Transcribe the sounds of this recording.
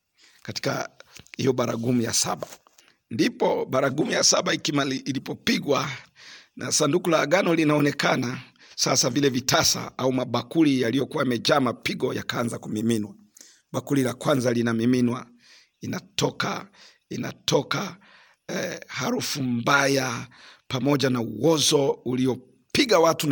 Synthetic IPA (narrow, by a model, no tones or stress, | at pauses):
kati̥ka̰hḭjɔɓaɾa̰ɡumuja̰sa̰ɓa | ndipɔɓaɾaɡumujasaɓaikimailipɔpiɡwa | nʔa̰sandukulaːɡanɔlinaɔnɛkana | sasavilɛvitasa̰aumaɓakulijalijɔkuwaimɛd͡ʒaːmapiɡɔja̰kaanzakumiminwa | ɓakulilakwanzalinamiminwa | inatɔka̰ | ina̰tɔka | haɾufumbajapamɔʄanauwɔzɔuliɔ | piɡawatu